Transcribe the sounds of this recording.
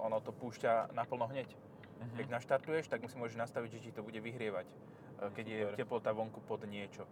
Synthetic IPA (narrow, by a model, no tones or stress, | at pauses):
ʔɔnɔt̪ɔpuːʃcanapl̩nɔɦɲɛc | kɛɟnaʃt̪aɾt̪ujɛʃt̪aɡmusimʊɔʒɛʒnast̪aʋiɟʒɛt͡ʃit̪ɔbuɟɛʋiɦɾɪɛʋac | kɛɟjɛɛplɔt̪aʋɔŋkupɔd̪ɲɪɛt͡ʃɔ